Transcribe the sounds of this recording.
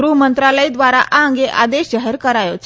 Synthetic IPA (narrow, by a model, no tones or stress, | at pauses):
ɾuːɦmənt̪ɾaləid̪ʋaɾa̰ʔaəŋɡeʔa̰d̪eɕd͡ʑaɦəɾkəɾajot͡ɕ